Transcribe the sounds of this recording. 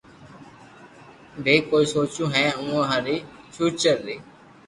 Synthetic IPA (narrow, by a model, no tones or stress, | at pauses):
bʱeːkoːiːsoːt͡ʃũːɦɛ̃ːũːɦaːɾiːt͡ʃuːt͡ʃəɾːeː